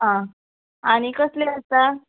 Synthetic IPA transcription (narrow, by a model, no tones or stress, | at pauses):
ɦã | añikəsleəst̪a